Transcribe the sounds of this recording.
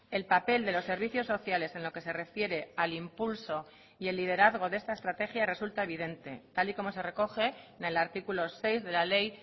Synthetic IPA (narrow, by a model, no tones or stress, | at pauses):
e̞lpape̞ld̪e̞lo̞sːe̞ɾβ̞iθjo̞sːo̞θjale̞senlo̞ke̞se̞re̞fje̞ɾe̞alimpulso̞ | ie̞lːið̞e̞ɾaðɣ̞o̞ðe̞st̪aest̪ɾat̪e̞xjare̞sult̪ae̞β̞ið̞e̞nt̪e̞̰t̪aliko̞mo̞se̞re̞ko̞xe̞ne̞laɾt̪ikulo̞se̞jzðe̞lale̞j